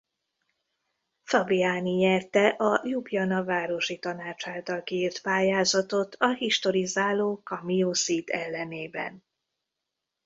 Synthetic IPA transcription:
fɒbiaːniɲɛrt̪ɛʔɒjubjɒnɒvaːɾo̞ʃit̪ɒnaːt͡ʃaːlt̪ɒlkiːrt̪paːjaːzɒt̪o̞t̪ʰɒɦiʃt̪o̞ɾizaːloːkɒmijoːsit̪ɛlːɛneːbɛ̰n

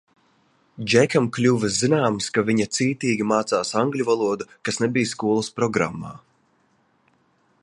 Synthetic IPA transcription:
d͡ʒɛkamklʲuːvɛzinaːmskaviɲɐt̪siːt̪iːɡʲimaːt̪saːsaŋɡlʲuvalˠuɔd̪ukasnɛbijskuɔlˠuspɾɔɡɾa̰mːa̰ː

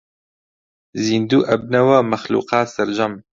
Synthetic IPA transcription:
zind̪uːʔɐb̚nɐwɐmɐxlṵːqaːsɐɾd͡ʒɐm

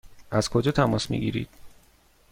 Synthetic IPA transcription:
ʔæzkʰo̞d͡ʒɒːt̪ʰæmɒːsmḭɡḭːɾḭːd̪̥

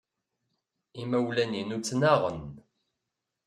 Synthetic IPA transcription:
imæwlæninut͡sːnaʁə̰n

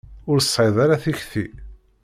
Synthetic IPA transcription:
ʊɾsˤħeðˤaɾaθiçθḭ

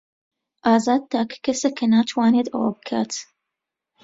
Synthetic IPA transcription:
ʔaːzaːd̪̚t̪ːaːkːɐsɐkɐnaːt̪ʰwaːneːd̪ʔɐ̰wa̰b̚kʰa̰ːt̪

